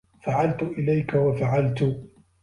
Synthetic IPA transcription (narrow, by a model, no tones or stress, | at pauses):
faʕalt̪ʊʔɪlajkawafaʕalt̪ʊ